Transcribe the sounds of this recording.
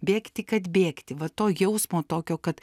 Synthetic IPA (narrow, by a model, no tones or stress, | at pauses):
bʲeːkt̪ʲɪkɐt̪bʲeːkt̪ʲɪʋɐt̪oːjɛʊsmoːt̪oːkʲoːkɐt̪